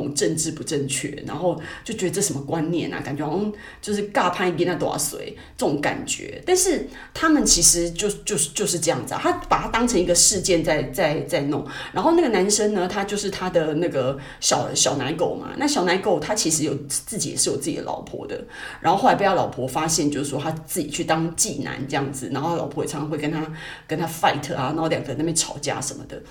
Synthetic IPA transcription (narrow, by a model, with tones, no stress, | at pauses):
ʊ˨˩ŋʈ͡ʂə˥˧nʈ͡ʂɻ̩˥˩pu˧˥ʈ͡ʂə˥˧nt͡ɕʰɥɛ̰˥˩ɻa̰˧˥nxo˥˧ʊt͡ɕjo˥˩ʊt͡ɕɥɛ˧˥ə˧ʈ͡ʂɤ˥˩ʂə˧˥mə˧kwa˦nnjɛ̰˥˩nɐ̰˩ka˨˩nt͡ɕɥɛ˧˥˩ | t͡ɕjo˥˧ʊʂɻ̩˥˩ka˥˧pʰa˥ni˧˩t̪ɛ˥na˥˩t̪o˧˥a̰˥˩swḛ˧˩˦ɪ | ʈ͡ʂɤə˥˩ʈ͡ʂʊ˧˥ŋka̰˨˩nt͡ɕɥɛ̰˧˥t̪a˥˧nʂɻ̩˥˩ | t̪ʰa˥mə˨nt͡ɕʰi˧˥ʂɻ̩˧˥t͡ɕjo˥˧ʊt͡ɕjo˥˧ʊʂt͡ɕjo˥˧ʊʂ̬ɻ̩˥˧ʈ͡ʂɤ˥˧jɑ˥˩ŋd͡z̩̰˨˩˨t̪ʰa˥pa˨˩t̪ʰa˥t̪ɑ˥ŋʈ͡ʂʰɤ˧˥ŋi˧˥ɡə˧ʂɻ̩˥˧t͡ɕjɛ˥˧nt͡sa˥˧ɪt͡sa˥˧ɪt͡sa˥˧ɪnʊ˥˩ŋɻa˧˥nxo˥˧na˥˩ɡə˩na˧˥nʂə˥ŋnə˧t̪ʰa˥t͡ɕjo˥˧ʊʂɻ̩˥˩t̪ʰa˥d̪ə˨na˥˩ɡə˩ | ɕɑ˨˩˦ʊɕjɑ˨˩ʊna˧˥nko˨˩ʊma̰˨˩na˥˩ɕjɑ˨˩ʊna˧˥nko˨˩ʊt̪ʰa˥t͡ɕʰi˧˥ʂɻ̩˧˥jo˨˩ʊt͡sɹ̩˥˩t͡ɕi˨˩jɛ̰˨˩ʂɻ̩˥˩jo˨˩t͡sɹ̩˥t͡ɕḭ˨d̪ə̰˦lʔɑ̰˨˩ʊpʰwɔ̰˧˥d̪ə̰˧˨ | ɻa˧˥nxo˥ʊxa˧˥pjlɑ˨˩ʊpʰwɔ˧˥fa˥ɕjɛ˥˧nt͡ɕjo˥˧ʊʂɻ̩˥˩ʂwɔ˥t̪ʰa˥t͡sɹ̩˥˩t͡ɕi˨˩t͡ɕʰy˥˩t̪ɑ˥ŋt͡ɕi˥˩na̰˧˥˦nʈ͡ʂɤ˥˧jɑ˥˩ŋd͡zɹ̩˨˩na̰˧˥nxo˥˧˥lɑ˨˩pʰɔ˦j̰ʰɑ˧˥˩xwe˥˩ɪkə˥nt̪ʰa˥kə˥nt̪ʰa˥fa˥˩ɪt̪ʰə˧˩a˩na˧˥xo˥˩ljɑ˨˩ŋɡə˧n˥˩mjɛ˥˩nʈ͡ʂʰɑ˨˩ʊt͡ɕja̰˥˩ʂə˧˦nmə̰˧d̪ə̰˩